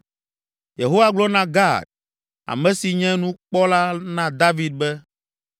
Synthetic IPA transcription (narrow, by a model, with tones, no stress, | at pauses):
je˨ɦo˦wa˦ɡ͡blɔ˦nã˦ɡa˦˨d̪̚ | a̰˨mɛ̃˦si˨ɲɛ̃˦nũ˦k͡pɔ˦la˦nã˦d̪a˦vi˦d̪̚bɛ˦